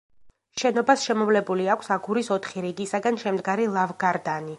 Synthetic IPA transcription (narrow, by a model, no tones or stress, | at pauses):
ʃɛnɔbasʃɛmɔvlɛbuliakʷʰsaɡuɾisɔt̪ʰχiɾiɡisaɡanʃɛmd̪ɡaɾilˠavɡaɾd̪ani